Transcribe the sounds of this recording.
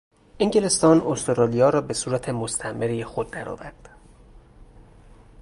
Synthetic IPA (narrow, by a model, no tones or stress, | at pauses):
ʔeŋɟele̞st̪ɒːnost̪oɾɑːlijɒːɾɒːbe̞suːɾæt̪ʰe̞most̪ʰæʔmeɾiexod̪̚ːæɾɒ̰ːvæ̰ɾd̪̥